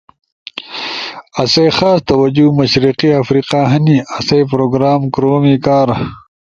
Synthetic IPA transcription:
ɐsejxaːst̪ɐwɐd͡ʑumɐɕɾiqiafɾiːqaːɦɐniɐsejpɾoːɡɾaːmkɾoːmikaːɾ

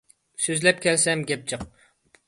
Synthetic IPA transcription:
søzlɛp̚kʲʰɛlsɛmɡʲɛp̚t͡ʃʰɨq

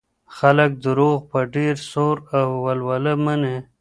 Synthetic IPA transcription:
xalək̚d̪əɾoːɣpaɖeɾsoɾawwalwaləməne

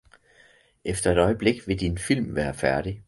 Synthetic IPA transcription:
ʔefd̥ɐe̝ɾ̥ɒ̽ɪəb̥le̝ɡ̥ʋe̝d̥infil̰mʋæːɐfæɐɾ̥i

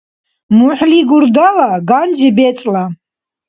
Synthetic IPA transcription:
mʊħʷliɡʊrdalaɡand͡ʒɪbet͡sʼla

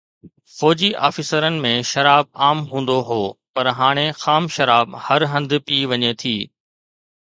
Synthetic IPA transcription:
fɔːd͡ʑiʔa̰ːfɪsəɾənɪ̆mẽʃɐɾaːb̚aːmɦũːn̆d̪oɦoːpɐɾɦaːɽ̃exaːmʃɐɾaːbhɐɾɦɐ̃nd̪piːʋɐɲet̪ʰiː

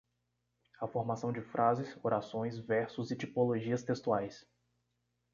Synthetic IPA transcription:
ɐfoɾmasɐ̃w̃d͡ʒɪfɾʔazɪsoɾasõj̃svɛɾsʊzɪt͡ʃipoloʒiɐst̪est̪uajs

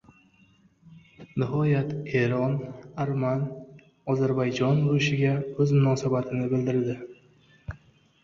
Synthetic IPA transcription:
nɪɦɒjat̪e̞ɾɒnaɾman | ɒzaɾbajd͡ʒɒnboɪʃɪɡʲaɵzmʊnɒsabat̪ʰɪnɪbɪld̪ɪɾd̪ɪ

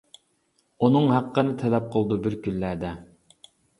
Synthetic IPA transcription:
unɨŋɦæqːənɨt̪ʰɛlɛp̚qʰəlˠd̪ubɪɾkʲylːæd̪ɛ

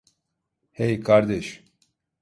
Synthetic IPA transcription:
hejkʰaɾd̪ɛʃ

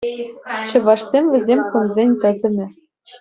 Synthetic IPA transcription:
ɕɤ̆ʋɑʂsʲemʲvʲɘ̆zʲemʲkunzʲenʲt̪ɘ̆zʲɘ̆nʲɘ̆

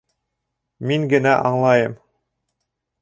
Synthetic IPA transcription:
miŋɡɘ̆næʔɑɴlˠɑjɤm

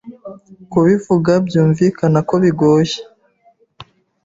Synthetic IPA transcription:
kuβivuɡabjuːɱviːkanako̞βiɡoje̥

